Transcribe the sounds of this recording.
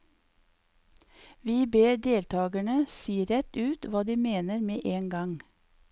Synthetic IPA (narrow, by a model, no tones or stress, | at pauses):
ʋiːbeːɾd̪eːlt̪ʰɑːɡæɳəsiːɾɛt̪ʉːt̪ʋɑːd̪iːmeːnəɾmeːʔeːŋɡɑŋ